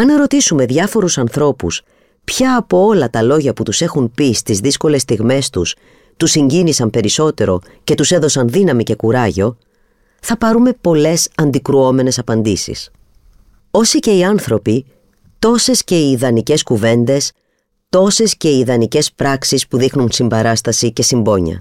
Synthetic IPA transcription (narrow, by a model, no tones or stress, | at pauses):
ɐne̞ɾo̞t̪isume̞ðʝɐfo̞ɾusɐnθɾo̞pṵs | pçɐːpo̞olɐt̪ɐlo̞ʝɐput̪use̞xunpist̪izðisko̞le̞st̪iɣme̞st̪us | t̪usiɲɟinisɐmpe̞ɾiso̞t̪e̞ɾo̞̰ | ce̞t̪use̞ðo̞sɐnðinɐmice̞kuɾɐʝo̞ | θɐpɐɾume̞po̞le̞sɐnd̪ikɾuo̞me̞ne̞sɐpɐnd̪isḭs | o̞sice̞iɐnθɾo̞pi | t̪o̞se̞sce̞iːðɐnice̞skuve̞nd̪e̞s | t̪o̞se̞sce̞iːðɐnice̞spɾɐksispuðixnunsimbɐɾɐst̪ɐsice̞simbo̞ɲɐ̰